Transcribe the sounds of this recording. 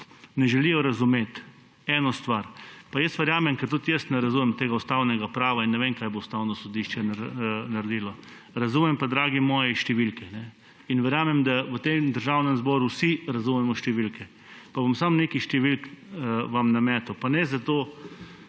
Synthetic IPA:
nɛʒɛlijɔɾɐzumeːt̪ | ɛːnɔst̪ʋaɾpajəst̪ʋɛɾjaːmɛmkɛɾt̪ut̪jəst̪nɛɾɐzumɛmt̪eːɡaust̪awnɛɡapɾaːʋainːɛʋemkaːjboust̪awnɔsɔd̪iʃt͡ʃɛnnaɾd̪iːlɔ | ɾazumɛmpad̪ɾaːɡimɔːjɛʃt̪ɛʋilkɛnɛ | inʋɛɾjaːmɛmd̪aʋət̪emd̪əɾʒawnɛmzbɔːɾuwsiɾazumɛmɔʃt̪ɛʋilkɛ | pabomsamneːkiʃt̪ɛʋilkʋamnamɛːt̪ɛwpanɛzat̪oː

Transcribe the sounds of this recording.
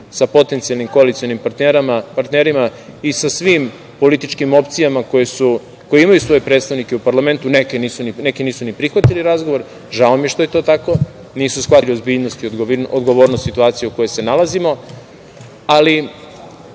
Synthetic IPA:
sapo̞t̪ent̪ialnimko̞alit̪sijo̞nimpaɾt̪neɾamapaɾt̪neɾima | isasʋim | po̞lit̪it͡ʃkimo̞pt̪sijamakojesu | ko̞jeimajusʋo̞jepɾe̞t̪st̪aʋnikeupaɾlame̞nt̪unekeniːsuninekiniːsunipɾixʋat̪iliɾazɡoʋo̞ɾ | ʒaomjeʃt̪o̞je̞t̪o̞ːt̪ako̞ | niːsusxʋatlio̞zbiːʎnost̪iood̪ɡo̞ʋo̞ːɾnost̪sit̪uaːt̪sijeuko̞jo̞jse̞nalazimo̞ | ali

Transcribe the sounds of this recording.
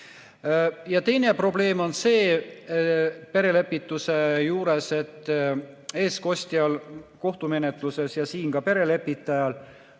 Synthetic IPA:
jɑt̪e̞jne̞pro̞ble̞ːmo̞nse̞ː | pe̞ɾe̞le̞pːˑit̪ːˑuse̞juːɾe̞se̞t̪ːˑe̞ːsko̞sʲt̪iɑlko̞ht̪ume̞ne̞t̪ˑluse̞sjɑsiːŋkɑpe̞ɾe̞le̞pːit̪ːˑɑjɑl

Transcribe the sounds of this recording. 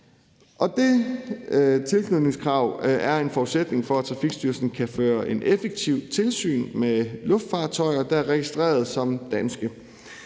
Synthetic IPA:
ʔɒ̽d̥e | t͡sʰe̝lsʰnuðˠne̝ŋskʰʁɑ̈ʊ̰æɐe̝nfɒu̥sed̥ne̝ŋfɒ̽æt͡sʰʁɑ̈fiɡ̥sd̥yɐsn̩kʰæføːɐʔe̝nʔefeɡ̥̚t͡sʰiʊ̰t͡sʰe̝lsy̰ːnmelɔ̽fd̥fɑ̥̈ːt͡sʰɒɪɐd̥ɑ̈æɐʁɛɡ̥isd̥ʁɛ̰ːɐð̩ˠsɒ̽md̥ænsɡ̥ə

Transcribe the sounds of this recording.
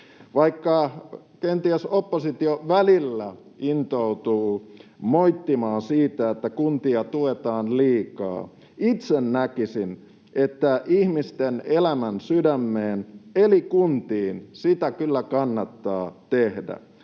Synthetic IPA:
ʋɑikːɑ | kent̪iæsopːosit̪ioʋælilːæ | int̪out̪uːmoit̪ːimɑːnsiːt̪æet̪ːækunt̪iɑt̪uet̪ɑːnliːkɑ̰ː | it̪sennækisin | ʔet̪ːæʔihmist̪enelæmænsydæmːeːnelikunt̪iːnsit̪ækylːækɑnːɑt̪ːɑːt̪ehdæ̰

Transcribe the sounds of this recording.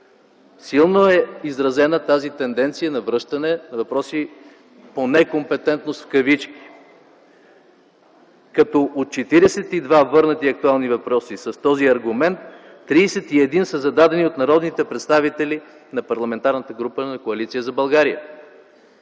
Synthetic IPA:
silˠnoɛizɾɐzɛnət̪azit̪ɛnd̪ɛnt̪sijənɐvɾɤʃt̪ɐnɛnɐvɐpɾɔsi | ponɛkompɛt̪ɛnt̪nost̪fkɐvit͡ʃki̥ | kɐt̪ɔʔot̪̚t͡ʃɛt̪iɾɛsɛt̪id̪vavɤɾnət̪iɐk̚t̪ualˠnivɐpɾɔsisɐst̪ɔziɐɾɡumɛnt̪ː | ɾiːsɛt̪iɛd̪insəzɐd̪ad̪ɛniot̪nɐɾɔd̪nit̪ɛpɾɛt̪st̪avit̪ɛli | nɐpɐɾlˠɐmɛnt̪aɾnət̪əɡɾupənɐkoɐlit̪sijəzɐbɐlˠɡaɾiə̰

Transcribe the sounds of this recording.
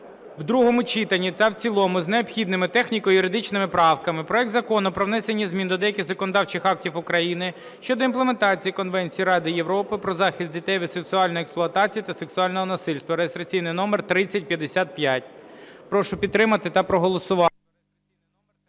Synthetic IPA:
wd̪ɾuɦɔmʊt͡ʃit̪ɐnʲit̪ɐwt͡sʲilˠɔmʊzneɔbxʲid̪nɪmɪt̪ɛxnʲikɔjjʊɾɪd̪ɪt͡ʃnɪmɪpɾɑwkɐmɪpɾɔɛk̚d̪zɐkɔnʊpɾɔwnɛsʲenʲːizʲmʲind̪ɔd̪ɛjɐkʲɪzɐkɔnɔd̪ɑwt͡ʃɪxɑk̚tʲiwʊkɾɐjinɪ | ʃt͡ʃɔd̪ɔinplˠement̪ɑt͡sʲijikɔnʋɛnʲt͡sʲijiɾɑd̪ɪjeʋɾɔpɪpɾɔzɑxʲist̪dʲit̪ɛjʋɪd̪seksʊɑlʲnɔjeksplˠʊɐt̪ɑt͡sʲijit̪ɐseksʊɑlʲnɔɦɔnɐsɪlʲst̪ʋɐɾejɪst̪ɾɐt͡sʲijnɪjnɔmert̪ɾɪt͡sʲːɐt̚ʲpʲjɐd̪esʲat̪̚pʲjatʲpɾɔʃʊpʲid̪̚t̪ːɾɪmɐt̪ɪt̪ɐpɾɔɦɔlˠɔsʊʋɑ

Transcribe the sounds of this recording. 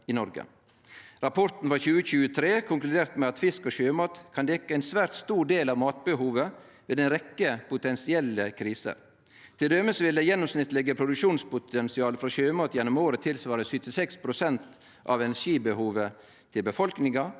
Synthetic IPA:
ɪnɔɾɡə̰ | ɾɑpʰɔɾt̪n̩fɾɑçʉːəçʉːət̪ʰɾeːkʰʊŋklʉd̪eːɾt̪mɛɑt̪fɪskɔɕøːmɑːt̪kʰɑnd̪ɛkːəæɪnsʋæːɾt̪st̪uːɖeːlɑʋmɑːt̪̚bəhuːʋə | ʋeːd̪ɛnɾɛkːəpʊt̪ɛnsɪɛlːəkʰɾiːsə̰ | t̪ʰɪld̪ɛməsʋɪld̪ɛjɛnːɔmsnɪt̪ːlɛɡəpʰɾʊd̪ʉkʂuːnspʊt̪ʰɛnsɪɑːləfɾɑɕøːmɑːt̪jɛnːɔmoːɾət̪ʰɪlsʋɑːɾəsʏt̪ɪsɛkspʰɾʊsɛnt̪ | ʔɑʋɛnæʂiːbəhuːʋə | t̪ʰɪlbəfɔlknɪŋɑ

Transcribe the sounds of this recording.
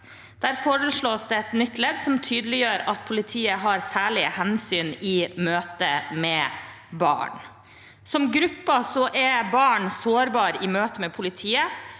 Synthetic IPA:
d̪̥æɾfɔɾəʂɭoːsd̪ɛɛt̪nʏt̪ːlɛd̪sɔmt̪ʰyːd̪əlɪjøːɾɑt̪̚pʰʊlɪt̪ʰiːəɦɑɾsæːɭɪhɛnsyːnɪmøːt̪əmɛː | bɑ̰ːɳ | sɔmɡɾʉpːɑsɔʔɛɾbɑːɳsoːɾbɑːɾɪmøːt̪əmɛpʰʊlɪt̪ʰiːə

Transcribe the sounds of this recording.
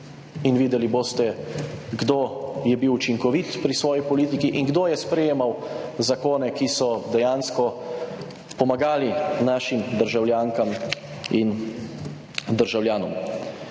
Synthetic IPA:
inʋiːd̪ɛliboːst̪ɛɡd̪oːjɛbiwut͡ʃiŋkɔʋit̪pɾisʋɔːjipɔliːt̪ikiʔiŋɡd̪oːjɛspɾɛjeːmawzakoːnɛkisɔd̪ɛjaːnskɔ | pɔmaɡaːlinaːʃimd̪əɾʒawljaːŋkam | in | d̪əɾʒawljaːnɔm

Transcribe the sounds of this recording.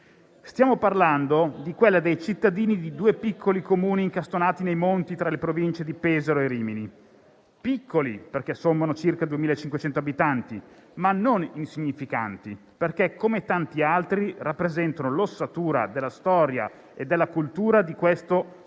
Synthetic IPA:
st̪jaːmoparland̪od̪ikwelːad̪ejt͡ʃit̪ːad̪iːnid̪id̪uːepikʰːolikomuːniːŋkast̪onaːt̪inejmont̪it̪ɾalepɾovint͡ʃed̪ipɛzeɾoeɾiːmini | pikʰːoliperkɛsomːanot͡ʃirkad̪uemiːlaet͡ʃːiŋkwet͡ʃɛnt̪oabit̪ant̪imanːoninsiɲːifika̰nt̪i | perkɛkʰːomet̪ant̪ialt̪ɾirapːɾezɛnt̪anolosːat̪uːɾa̰d̪elːast̪ɔːɾja̰ | ed̪ːelːakult̪uːɾad̪ikwest̪o

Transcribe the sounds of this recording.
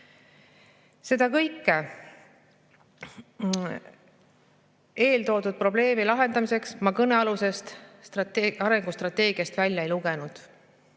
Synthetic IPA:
se̞d̪ɑkɤjkːe | e̞ːlt̪o̞ːd̪ud̪̥̚pro̞ble̞ːmilɑɦe̞nd̪ɑmise̞ksmɑkɤne̞ɑluse̞st̪t̪ɑt̪ɑɾe̞ŋɡ̥ust̪rɑt̪ːe̞ːɡ̥ijɑst̪vælʲjɑe̞jluɡe̞nud̪̥

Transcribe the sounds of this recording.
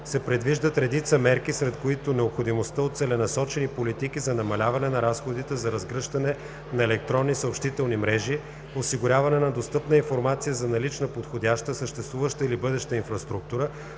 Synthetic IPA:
sɛpɾɛd̪viʒd̪ət̪ɾɛd̪it̪səmɛɾk̟isɾɛt̪koit̪onɛopxod̪imost̪əot̪t̪sɛlɛnɐsɔt͡ʃɛnipolit̪ik̟izɐnɐmɐlʲavɐnɛnɐɾasxod̪it̪ɛzɐɾɐzɡɾɤʃt̪ɐnɛ | nɐɛlɛk̚t̪ɾɔnːisəopʃt̪it̪ɛlˠnimɾɛʒi | osiɡʊɾʲavɐnɛnɐd̪ost̪ɤpnəinfoɾmat̪sijəzɐnɐlit͡ʃnəpot̪xod̪ʲaʃt̪əsəʃt̪ɛst̪vuvəʃt̪əilibɤd̪ɛʃt̪əinfɾɐst̪ɾuk̚t̪uɾə

